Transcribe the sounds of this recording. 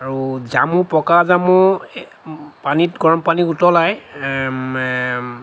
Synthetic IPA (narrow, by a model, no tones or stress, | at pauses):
aɹuzamũpɔkazamu | panitɡɔɹɔmpaniutɔlaj